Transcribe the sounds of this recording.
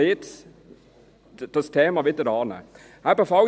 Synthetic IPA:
it̪ | d̪ɔst̪ʰeːmɑʋɛt̪əɾɑːnə̰ | hæːpɔfɑ

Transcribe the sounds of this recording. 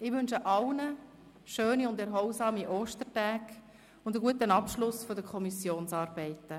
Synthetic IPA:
ɪʋʏnʃəʔɑlnə | ʃøːniʊndɛɾɦɔwsɑːmiʔoːʃtəɾtæːk | ʊndəɡuətənɑpʃlʊsfodəkʰɔmisjoːnsɑːɾb̥ɛɪtə

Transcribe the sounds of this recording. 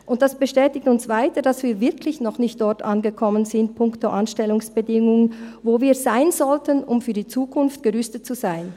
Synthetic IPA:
ʔʊnt̚d̥asb̥əʃtɛːtɪktʊnsv̥aɪtəd̥asv̥iːɐvɪɐkʰlɪçnɔχnɪçtd̥ɔɐtʔanɡəkʰɔmənzɪnt̚pʰʊŋktoʔanʃtɛlʊŋsb̥ədɪŋʊŋənvoːviːɐzaɪnzɔltənʊmfyːɐdiːt͡suːkʰʊnftɡ̥əʁʏstət̚t͡suzaɪn

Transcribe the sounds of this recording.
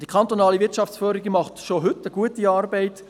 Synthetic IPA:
d̥ikʰχɑnt̪onɑːlivɪtt͡ʃɑft͡sfœːɾiɡimɑχtʃoɦʏtəɡuətiɑːɾbɛɪt

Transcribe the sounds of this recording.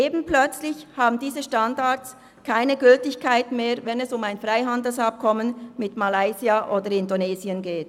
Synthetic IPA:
eːbn̩plœt͡slɪçhaːbn̩diːzəʃtandaɐs | kʰaɪnəɡʏltɪçkʰaɪtmeːvɛnɛsʊmaɪnfʁaɪɦandl̩sap̚kʰɔmənmɪtmalaɪziaʔoːdəɾɪndoneːziənɡeːt

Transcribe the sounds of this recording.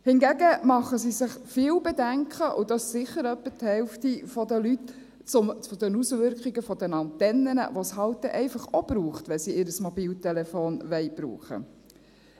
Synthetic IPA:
hɪnɡæɡəmɑχəsisɪχfiːwbɛdæŋkʰχəʔʊd̥̪ɑssɪχːəɾœpːəthɛlftifɔd̪əlyt | t͡sʊmt͡sod̪ɛnusʋʏɾkχiɡəfɔd̪ɛnɑnt̪ɛnːənə̰ʋɔshɑlt̪əʔɛɪfɑχob̥ɾuːχt̪ʋɛnsiɪɾəsmɔbiːltɛlɛfoːnʋɛɪb̥ɾṵːχə̰

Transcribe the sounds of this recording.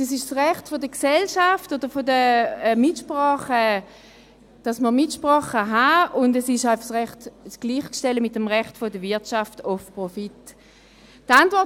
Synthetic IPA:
ɛsɪʃsʁɛχtfodəksɛlʃaftod̥əʁfodəɛmitʃpʁɔːχə | d̥asməʁmitʃpʁɔːχəɦaʊndəsɪʃaɪfɑχsʁɛχtsɡ̥liːχkʃtɛləmit̚ːemʁɛχtfodəvɪɐtt͡ʃaftofpʁofit | tantvɔɐt

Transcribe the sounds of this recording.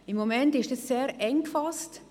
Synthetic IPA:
ɪmːomɛntɪʃdɑsːeːɾɛŋkfɑst

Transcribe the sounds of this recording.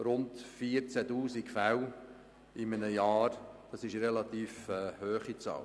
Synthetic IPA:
ɾʊntfiəɾt͡sætuːsikfæw | ɪmənəjɑːɾd̥ɑsɪʃɾɛlɑt̪iːfɛːhøːχit͡sɑ̰ːl

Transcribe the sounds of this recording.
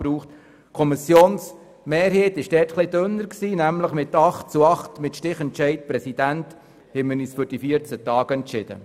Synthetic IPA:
ɾuːχt | kʰɔmɪsjoːns | meːɾɦeːt̪ɪʃd̥ɛːrtχlɪd̪ønːəɾksiːnæmləχmɪt̪ɑχt̚t͡suɑχt̪mɪt̪ʃtɪχɛntt͡ʃɛɪt̚pɾɛsid̥̪ænt̪ | hɛməniːsfʏɾd̥ifiəɾt͡sət̪ɑːɡ̥əɛnt͡ʃɪd̥̪ə̰

